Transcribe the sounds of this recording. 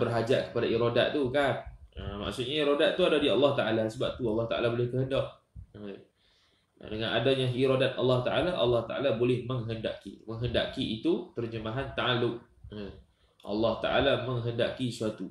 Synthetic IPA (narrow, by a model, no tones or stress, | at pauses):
bərɦad͡ʒaʔkə̥padaiɾodaʔt̪ukanəmma̰ʔsʊʔ̪̚ɲaiɾodaʔ̚t̪uadadiɑlːɑht̪aʔalasəbap̚t̪uɑlːɑht̪aʔa̰labolɪhkəɦəndaʔ | ə | dəŋanadaɲãiɾodat̪̚ɑlːɑht̪aʔalaʔɑlːɑht̪aʔa̰labolɪhməŋɦənda̰ʔkḭməŋɦənda̰ʔkiʔit̪ut̪ərd͡ʒəmaɦant̪aalʊʔ̚ | ə | ʔɑ̰lːɑht̪a̰ʔalamə̃ŋɦəndakisuat̪u